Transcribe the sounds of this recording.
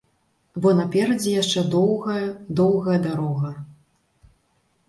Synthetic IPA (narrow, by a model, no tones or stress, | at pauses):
bɔnɐpʲɛɾɐd͡zʲijaʂt͡ʂɛd̪ɔwɣɐjɐd̪ɔwɣɐjɐd̪aɾɔɣɐ